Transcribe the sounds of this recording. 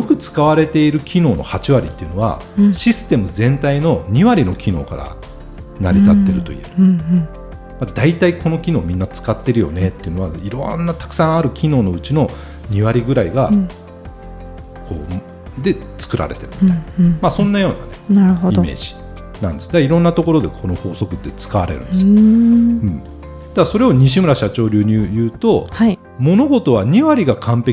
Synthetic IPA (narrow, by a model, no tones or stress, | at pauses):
jo̞kɯ̟t͡sɨ̥kaβaɾe̞t̪e̞iɾɯ̟kʲʰino̞ːno̞̰hat͡ɕiβaɾʲit̪ːeɯ̟no̞βa̰ | ɕisɨ̥t̪e̞mɯ̟zẽ̞nt̪aino̞ɲ̟iβaɾʲino̞kʲino̞̰ːka̰ɾa̰ | naɾʲit̪at̪ːe̞ɾɯ̟t̪o̞̰ḭe̞̰ɾɯ | mad̪ait̪aiko̞no̞kʲino̞ːmʲĩnːat͡sɨ̥kat̪ːe̞ɾɯ̟jo̞̰ne̞t̪ːe̞iɯ̟no̞βaiɾo̰nːat̪ḁkɯ̟̥sãɰ̃aɾɯ̟kʲino̞ːno̞ɯ̟t͡ɕino̞ | ɲ̟iβaɾʲiɡɯ̟ɾaiɡa | kʰo̞̰ː | d̪e̞t͡sɨ̥kɯ̟ɾa̰ɾe̞t̪e̞ɾɯ̟mit̪amasõ̞nːajo̞ːna̰nenaɾɯ̟ɦodime̞̰ːʑi̥ | nã̰nd̪e̞sɨ̥d̪aiɾõ̞nːat̪o̞ko̞ɾo̞d̪e̞kʰo̞no̞ho̞ːso̞kɯ̟d̪ːe̞t͡sɨ̥kaβaɾe̞ɾɯ̟̃nesioɯ̟̃ | d̪̥aaso̞ɾe̞o̞ɲ̟iɕ̬imɯ̟ɾaɕat͡ɕo̞ːɾʲɨːɲ̟ijɯ̟ːt̪o̞hai | mo̞no̞ɡo̞t̪o̞β̞aɲ̟iβaɾʲiɡakʰãmpe̞k